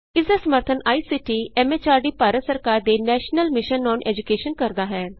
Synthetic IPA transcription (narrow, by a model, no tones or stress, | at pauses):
ɪsd̪aːsəməɾt̪ʰənaːiːsɪʈiːɛːmeːt͡ʃaːɾɖiːpaːɾət̪səɾkaːɾd̪eːnɛːʃnəlmɪʃənːɔːnʔɛːd͡ʒʊkeːʃənkəɾd̪aːɦɛː